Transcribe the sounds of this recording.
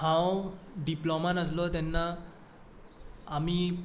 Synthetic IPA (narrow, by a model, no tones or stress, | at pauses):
ãwɖiplɔmanas̬lɔt̪ɛnːa | mi